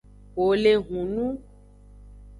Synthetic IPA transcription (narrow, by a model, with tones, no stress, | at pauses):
wo˨le˨ɣũ˨nũ˦